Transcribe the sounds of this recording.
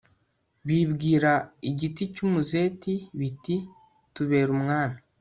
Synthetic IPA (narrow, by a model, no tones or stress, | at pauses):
βibɡiːɾaiɟiticumuze̞ːtiβiti | tuβe̞ːɾumŋaːna